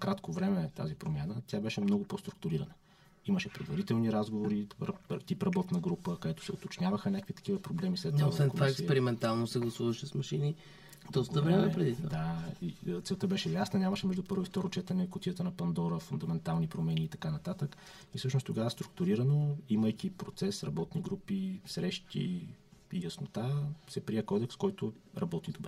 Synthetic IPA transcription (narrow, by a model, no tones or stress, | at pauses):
kɾat̪kovɾɛmɛt̪azipɾomjanət̪ʲjabɛʃɛmnɔɡʊpost̪ɾu̥k̚t̪ʊɾiɾənə | iməʃɛpɾɛd̪vɐɾit̪ɛlˠniɾazɡovoɾiɾpt̪ipɾɐbɔt̪nɐɡɾupəkɐd̪ɛt̪ʊ̥sɛot̪ot͡ʃnʲavəxənʲakəkvit̪ɐ̥k̟ivəpɾoblɛmislɛt̪ɛosvɛnvaɛk̪spɛɾimɛnt̪alˠnosɛɡlˠɐsuvəʃɛsmɐʃini | d̪ɔst̪əvɾɛmɛpɾɛd̪it̪vad̪ait̪sɛlˠt̪əbɛʃɛjasnɐnʲamɐʃɛmɛʒd̪upɤɾvʊift̪ɔɾʊt͡ʃɛt̪ənɛkʊt̪ʲijət̪ənɐpɐnd̪ɔɾəfund̪ɐmɛnt̪alˠnipɾomɛniːt̪ɐ̥kanɐt̪at̪ək | ifsɤʃnost̪oɡavəst̪ɾuk̚t̪uɾiɾənoiməjkipɾot̪sɛsɾɐbɔt̪niɡɾupisɾɛʃt̪ḭijəsnot̪asɛpɾiɛkɔd̪ɛkskɔjt̪ʊɾɐbɔt̪id̪obɛ